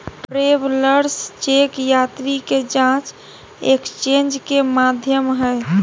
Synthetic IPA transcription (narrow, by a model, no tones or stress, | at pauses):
ʈɾebləɾst͡ʃekjat̪ɾiked͡ʒãt͡ʃ | ekt͡ʃẽnd͡ʒkemad̪ʱjəmɦəɪ